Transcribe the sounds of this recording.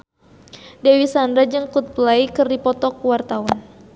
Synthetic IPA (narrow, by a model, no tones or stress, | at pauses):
dewisandɾad͡ʒɨŋkut̪̚plaikɨrdipɔt̪ɔkuwart̪awan